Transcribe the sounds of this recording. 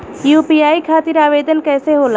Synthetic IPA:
juːpiːaːikʰaːt̪ɪɾaːʋeːd̪ənkɛːseɦoːla

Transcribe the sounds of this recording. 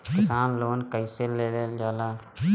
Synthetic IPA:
kɪsaːnloːnkəiseleleːld͡ʒaːlaː

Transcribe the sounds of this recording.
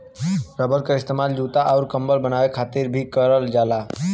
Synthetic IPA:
ɾəbəlkəɾɪst̪emald͡ʒuːt̪aʔaʊɾkə̃mbəlbənawekʰaːt̪iɾbʱikəɾəld͡ʒala

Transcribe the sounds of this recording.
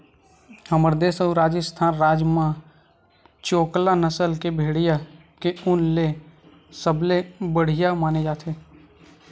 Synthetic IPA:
həməɾd̪eːsəuɾaːd͡ʒəst̪ʰaːnɾaːd͡ʒmã | t͡ʃoːklanəsəlkebʱeːɽ̤ija | keʊnle | səblebəɽ̤ɪjamaːned͡ʒaːt̪ʰeː

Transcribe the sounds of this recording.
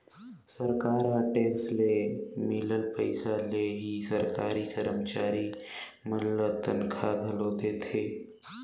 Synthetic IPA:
səɾkaːɾaːʈeːkslemɪləlpəɪsaleɦisɐɾkaːɾikəɾəmt͡ʃaːɾimɐllət̪ənkʰaɡʱɐloːt̪eːt̪ʰeː

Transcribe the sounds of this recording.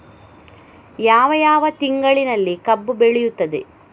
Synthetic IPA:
jaːʋɐjaːʋɐt̪iŋɡɐɭinɐlːikɐbːubeɭɛjut̪ːɐd̪e

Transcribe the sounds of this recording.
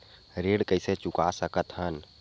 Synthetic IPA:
ɾeːɽkəɪset͡ʃʊkasəkət̪ɦən

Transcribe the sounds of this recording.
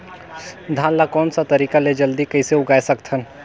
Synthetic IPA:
d̪ʱaːnlakɔːnsat̪ɐɾiːkaled͡ʒɐld̪ikɐɪseʊɡaːesɐkt̪ʰən

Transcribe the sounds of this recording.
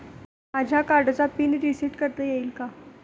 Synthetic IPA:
mad͡ʑʱjakaɾɖt͡sapiːnɾisiʈkəɾt̪əjeiːlka

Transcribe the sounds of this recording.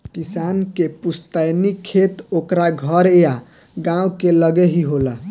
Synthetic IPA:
kisankepust̪ajnikʰet̪okɾaɡʱʌɾeja | ɡãũkeləɡeɦiɦola

